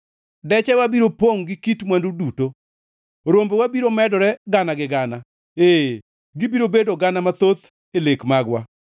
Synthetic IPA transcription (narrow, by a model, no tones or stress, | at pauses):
dɛt͡ʃɛwabiɾopoŋɡɪkitmwanduduto | ɾombwabiɾomɛdɔɾɛɡanaɡɪɡana | eː | ɡɪbiɾobedoɡanamat̪ot̪ | elekmaɡwa